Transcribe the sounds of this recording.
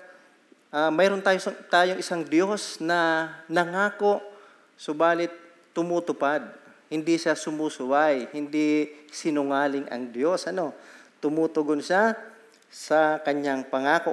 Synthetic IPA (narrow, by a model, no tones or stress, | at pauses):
ʔamɛjɾont̪aːjost̪aːjoŋʔɪsaŋd̪jo̞snɐnɐŋaːko̞ʔ | sobaːlɪt̪ː | ʊmuːt̪ʊpad̪̚ | hɪnd̪iʃasʊmuːsʊwajhɪnd̪isɪnʊŋaːlɪŋʔɐ̰ŋd̪jo̞sʔɐno̞t̪ʊmuːt̪ʊɡonʃa | sɐkɐɲaŋpɐŋaːko